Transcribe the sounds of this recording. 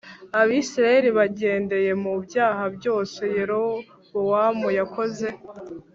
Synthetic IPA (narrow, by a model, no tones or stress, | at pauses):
aβisiɾaje̞ɾiβaɟe̞ːnde̞je̞mubjaːhabjo̞ːse̞je̞ɾo̞ | bowamujakʰo̞ze̞